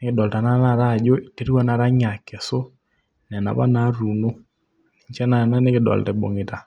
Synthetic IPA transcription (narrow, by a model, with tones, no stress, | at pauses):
ne˦ke˨ɗɔ˨lta˨na˦na˦˨ɾa˦˨d͡ʒo˦i˨te˦ɾi˦wa˦na˨ɾa˦ɲa˨kɛ˨so˦ | n˨ɛ˨na̰˨βa̰˦na˦ɾu˨no˦˨ | ɲt͡ʃɛ˦na˦˨na˦ne˦ke˨dɔ̰˨l̰tɛ˨ɓo̰˨ŋe˨ta˨